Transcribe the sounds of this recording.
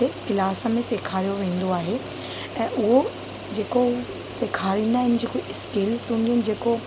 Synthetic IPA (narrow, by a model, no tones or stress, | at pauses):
ekɪlaːsə̆mẽseːkʰaːɾijoʋẽːn̆d̪oaːɦe | ɛ̃ːʔʊɦo | d͡ʑeːko | seːkʰaːɾĩːnd̪aːɦɪnɪ̆d͡ʑeːkoɪskeːlsũːɳɖijənɪ̆d͡ʑeːko